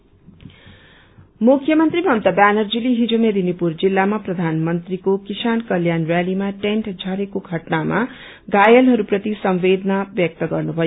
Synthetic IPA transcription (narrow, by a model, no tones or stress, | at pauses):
mukʰjʌmʌnt̪rimʌnt̪ʌbanʌrd͡ziliɦid͡zomeɾinipurd͡zilːamaprʌd̪ʱanmʌnt̪rikokisankʌljanrjalimaʈeɳʈd͡zʱʌɾekoɡʱʌʈnama | ɡajʌlɦʌɾuprʌt̪isʌmʋed̪nabjʌk̚t̪ʌɡʌrnubʱʌjo